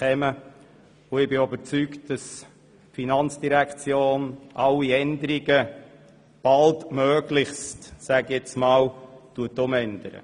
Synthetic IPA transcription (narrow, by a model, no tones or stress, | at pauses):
kɛmə | ʊɪbɪybəɾt͡sykt̚d̥ɑs | finɑnt͡sd̥iɾækʰt͡sjoːnʔɑlːiɛnd̪əɾiɡə | b̥ɑltmœːɡlɪχstsæɡɛt͡smɑːltuətʊmɛnd̥̪əɾə̰